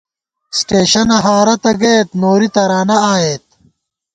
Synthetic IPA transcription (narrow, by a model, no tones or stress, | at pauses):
sʈeːɕɐnɐɦaːɾɐt̪ɐɡet̪noːɾit̪ɐɾaːnɐaːjeːt̪̚